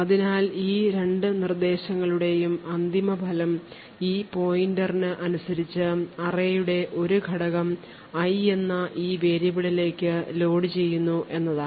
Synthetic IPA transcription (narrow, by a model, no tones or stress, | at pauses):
ɐðinaːliːɾe̞ɳɖɨnird̪e̞ːɕɐŋːɐɭuɽe̞jumɐnd̪imɐbʱɐlɐm | iːpo̞ːjindɐrnɨʔɐnusɐɾit͡ɕːɨɐrejuɽe̞ʔo̞ɾuɡʱɐɽɐɣɐm | ɐje̞nːɐʔiːʋe̞ːɾjɐbiɭile̞ːkʲːɨlo̞ːɽit͡ɕe̞jːunːuʔe̞nːɐðaːɳ